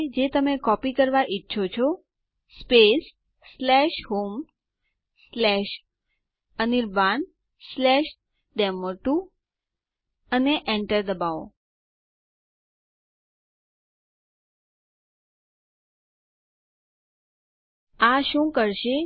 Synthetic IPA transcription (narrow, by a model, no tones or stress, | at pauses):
d͡ʒet̪əmekɔpikəɾʋaʔitːʃʰot͡ʃʰɔ | spesː | lɛʃɦom | slɛʃ | əniɾban | slɛʃ | ɖɛməɾʈu | əneʔɛɳʈəɾd̪əbao | aʃũkəɾʃe